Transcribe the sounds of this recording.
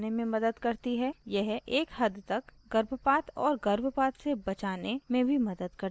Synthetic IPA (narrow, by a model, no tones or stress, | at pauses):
nemẽmɐd̪əd̪kɐɾt̪iɦɛjɛɦeːkhɐd̪t̪ɐkɡɐɾbʱpaːt̪ɔːɾɡɐɾbʱəpaːt̪sebɐt͡ʃaːnemẽbʱimɐd̪əd̪̚kɐɾ